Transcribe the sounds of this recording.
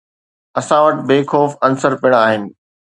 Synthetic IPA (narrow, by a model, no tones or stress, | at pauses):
ɐsãʋəʈbeːkʰoːfɐnsəɾpɪɽ̃aːɦɪnɪ̆